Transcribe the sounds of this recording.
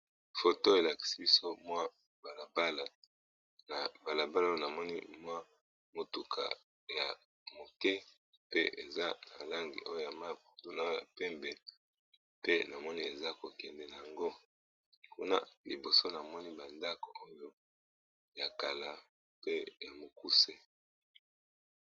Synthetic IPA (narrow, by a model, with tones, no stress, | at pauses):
fo˨to˦e˨la˨ki̥˨si˦bi˦so˦mwa˦ | ba˨la˨ba˦la˨ | na˨ba˨la˨ba˦la˦o˦jo˦na˨mɔ˦nḭ˦mwa˦ | mo˨tu˨kʰa̰˨ | ja̰˨ | mo˨kɛ˦ | pe˦ʔe˨za˦na̰˨la˦ŋɡḭ˨ʔo˦jo˦ja˨ma˦po˨to˦˨na˦o˦ja̰˨pɛ˦mbɛ˨ | pe˦na˨mɔ˦ni˦e˨za˦ko˨kɛ˨ndɛ˨na˨a˨ŋɡo˦ | kṵ˦na̰˦li˨bo˨so˦na˨mɔ˦ni˦ba˨nda˦ko˨o˦jo˦ | ja˨ka˨la˨ | pe˦ja˨mo˨ku˦se˦